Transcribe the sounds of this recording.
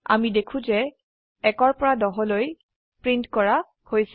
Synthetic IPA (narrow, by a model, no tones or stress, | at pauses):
a̰midekʰũzɛ | ɛkɔɹpɔɹadɔɦɔloj | pɹintkɔɹa | hojs